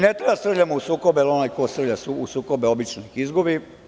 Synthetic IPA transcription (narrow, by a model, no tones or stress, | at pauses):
net̪ɾejast̪ɾ̩ʎʲamousuːkobelonajkost̪ɾ̩ʋlʎasuusuːkobeobit͡ʃnixizɡobi